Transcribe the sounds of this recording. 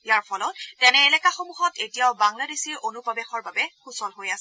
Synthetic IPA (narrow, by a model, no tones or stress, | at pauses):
ijaɹpʰɔlɔt̚tɛnɛːlɛkaxomuɦɔtetijaʊbaŋladesiɹonupɔbɛxɔɹbabɛxusɔlɦojasɛ